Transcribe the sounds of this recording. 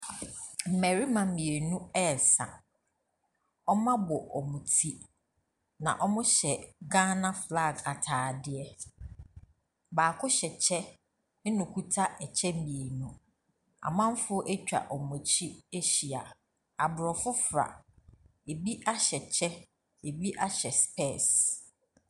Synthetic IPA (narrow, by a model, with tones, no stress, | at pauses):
m̩˨mɛ˨ɾi˦mã˨˦mĩ˨e˨nũ˦ɛ˦˨sã̰˨ | ɔ˦mã˦bɔ˨ʔɔ˨mũ˨tʰi˦ | nã̰˨ʔɔ˦mʊ̃˦ɕɛ˨ɡã˦nã˦fla˦˨ɡa˨tʰaː˨dɪ˨ɛ˦ | baː˨kʰʊ˦ɕɛ˨t͡ɕʰɛ˦ | nʊ̃˨kʰu˦tʰa˦ʔɛ˨t͡ɕʰɛ˦m̩˦bĩ˨e˨nũ˨ | a̰˨mã˦m˦fʊ˦ʔe˦t͡ɕᶣa̰˨ʔɔ˨mʊ̃˨t͡ɕʰi˦e˦ɕi˨a˨ | a˨bʊ˨ɾɔ˨fʊ˦fɾa̰˨ | e˨bi˦ʔa˦ɕɛ˨t͡ɕʰɛ˦ | e˨bi˦ʔa˦ɕɛ˨spʰɛ˦˨s